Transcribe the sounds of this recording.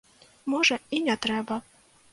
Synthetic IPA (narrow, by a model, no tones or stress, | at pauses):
mɔʐɛinʲɛt̪ɾɛbɐ